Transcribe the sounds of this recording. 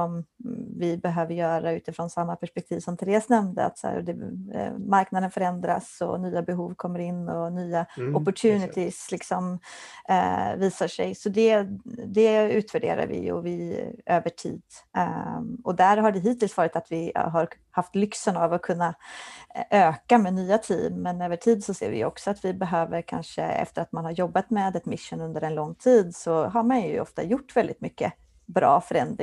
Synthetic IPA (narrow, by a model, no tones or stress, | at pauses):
sɔmvɪbɛɦøːvəɾjœːɾaʉ̟ːt̪ɪfɾonsamːapʰæʂpɛk̚t̪ʰiːvsɔmt̪ʰɪɾeːsnɛmnd̪ə̰a̰t̪sæ̰ɾ̰d̪ɛ | maɾknad̪ənfœɾɛnd̪ɾa̰sɔ̰nyːabɛɦuːvkʰɔmːəɾɪnːɔnyːaɔpːɔʈʰjʉːnɪt̪ʰɪslɪksɔm | viːsaʂɛ̰jsɔd̪ɛd̪ɛʉ̟ːt̪væɖḛːɾa̰ɾvɪ̰jɔ̰vɪøːvəʈʰḭːd̪ | ɔd̪æɾɦaɖɛɦiːt̪ɪlsvɑːɾɪt̪at̪vɪɦaɾ | haft̪lʏksənavɔkʰɵnːa | ʔøːkamɛnyːat̪ʰḭːmːɛnøːvəʈʰiːd̪sɔsḛːɾvɪ̰jɵ̰ɔ̰ksɔat̪vɪbɛɦøːvəɾkʰa̰nʂə̰ɛ̰ft̪əɾat̪manhaɾjɔbːat̪meːd̪ɛt̪mɪʂːʊnɵnd̪əɾɛnlɔŋːt̪ʰiːd̪sɔɦaɾmanjɵ̰ʔɔ̰ft̪a̰jʊʈːvɛld̪ɪt̪mʏkːə̰ | bɾɑ̰ːfœɾɛnd̪ɾɪŋ